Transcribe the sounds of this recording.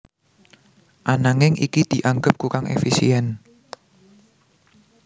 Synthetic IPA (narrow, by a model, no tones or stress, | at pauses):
ʔanaŋɪŋʔḭkid̪̥i̤ʔaŋɡəp̚kukaŋḛfisḭɛn